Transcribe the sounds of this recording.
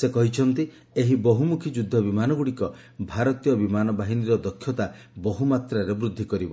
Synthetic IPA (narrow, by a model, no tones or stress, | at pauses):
sekɔɦit͡ʃʰɔnt̪i | eɦibɔɦumukʰid͡ʒud̪ʱːɔbimanɔɡuɽikɔ | bʱaɾɔt̪ijɔbimanɔbaɦiniɾɔd̪ɔkʰːjɔt̪a | bɔɦumat̪ɾaɾebɾud̪ʱːikɔɾibɔ